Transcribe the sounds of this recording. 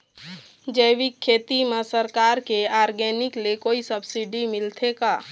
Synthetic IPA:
d͡ʒəjʋikʰːeːt̪imãsəɾkaːɾkeaːɾɡɛːnɪklekoːisəbsiɖimɪlt̪ʰekaː

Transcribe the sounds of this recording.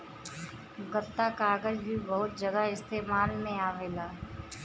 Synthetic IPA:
ɡət̪ːakaːɡəd͡ʒbʱibɐɦʊt̪̚d͡ʒɐɡaɪst̪eːmaːlmẽaːʋeːlaː

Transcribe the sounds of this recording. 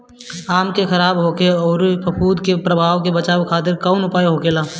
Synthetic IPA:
aːmkexɐɾaːbɦoːkeɔːɾpɐpʰuːd̪kepɾəbʱaːʋkebɐt͡ʃaːʋkʰaːt̪̬ɪɾkaːʊnʊpaːjɦoːkeːlaː

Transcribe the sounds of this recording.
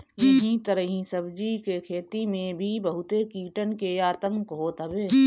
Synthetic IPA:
jɐɦĩt̪əɾəɦĩsəbd͡ʒikekʰeːt̪imẽbʱibəɦʊt̪ekiːʈənkeaːt̪ə̃ŋkɦoːt̪əbeː

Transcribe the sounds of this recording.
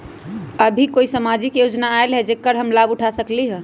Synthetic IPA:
əbʱikoisəmad͡ʒikjod͡ʒnaːelɦed͡ʒekːəɾɦəmlabuʈʰasəkliɦɛ̃

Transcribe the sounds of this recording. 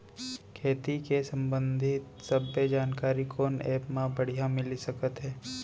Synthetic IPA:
kʰeːt̪ikesɐ̃mbə̃nd̪ʱɪt̪sɐbːed͡ʒaːnkaːɾikoːnɛːpmãbɐɽ̤ijamɪlisɐkət̪ɦɛː

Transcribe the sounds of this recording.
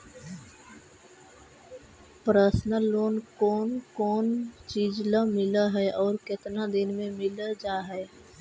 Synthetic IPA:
pɾəsnəlːoːnkɔːnkɔːnt͡ʃiːd͡ʒlamɪlaɦɛʔɔːɾkɪt̪nad̪ɪnmẽmɪld͡ʒaːɦɛː

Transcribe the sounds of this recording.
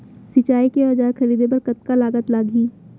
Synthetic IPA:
sɪt͡ʃaːikeaːd͡ʒaːɾxɐɾiːd̪ʱep̬ɐɾkɐt̪̚kalaːɡət̪laːɡiː

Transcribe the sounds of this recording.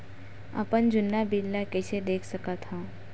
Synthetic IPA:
ɐ̰pənd͡ʒʊnːabilːakɛt͡ʃʰed̪eːkʰsɐkat̪ʰaː

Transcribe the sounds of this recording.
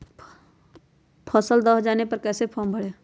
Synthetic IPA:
pʰəsəld̪əɦd͡ʒaːnepəɾkɛːsepʰɔːmbʱəɽe

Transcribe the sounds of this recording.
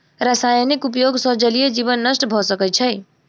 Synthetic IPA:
ɾasajnikup̬joɡsʌd͡ʒəlijed͡ʒibənːəsʈbʱɔsəkəjt͡ʃʰə

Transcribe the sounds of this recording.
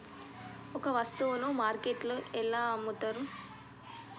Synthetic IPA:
ɔkɐʋɐst̪uʋunumaːɾkeʈluɛlːaːɐmːut̪ːaːɾu

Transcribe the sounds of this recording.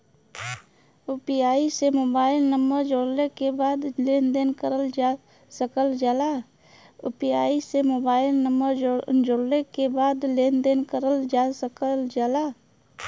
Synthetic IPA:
upijaːisemoːbaːɪlnəmbəɾd͡ʒoːɽlekebaːd̪leːnd̪eːnkəɾəld͡ʒ | səkəld͡ʒaːlaː | upijaːisemoːbaːɪlnəmbəɾd͡ʒoːɽlekebaːd̪leːnd̪eːnkəɾəld͡ʒaːsəkəld͡ʒaːlaː

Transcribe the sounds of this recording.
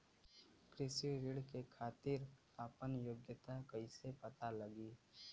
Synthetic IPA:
kɾɪsiɾɪɽkekʰaːt̪ɪɾ | aːpənjoɡjət̪akəisepət̪alɐɡiː

